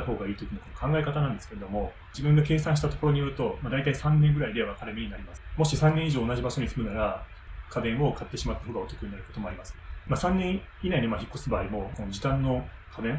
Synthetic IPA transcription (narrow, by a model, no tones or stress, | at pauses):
aho̞ːɡaiːt̪ok̟nokonokʰãŋɡae̞kat̪anãnd̪e̞sɨ̥ke̞ɾe̞d̪o̞mo̞ | d͡ʑibɯ̟̃ŋɡake̞ːsãɰ̃ɕ̬i̥t̪at̪o̞ko̞ɾo̞ɲijɯːɯt̪o̞mad̪ait̪aisãnːẽ̞ŋɡɯ̟ɾaid̪e̞βakaɾɯmʲiɲ̟inaɾʲimasɨmo̞ɕisãnːẽɰ̃iʑo̞ːnaʑibaɕo̞ɲ̟isɨmɯ̟naɾa | kʰad̪ẽɰ̃o̞kʰat̪ːe̞ɕimat̪ːḁhoɡao̞t̪o̞kɯ̟ɲ̟inaɾɯ̟ko̞t̪o̞mo̞aɾimasɨ̥masãnːẽɰ̃ | inaiɲomaçikːosɨbaːimo̞ko̞nod͡ʑit̪ãnːo̞ | kʰad̪ẽ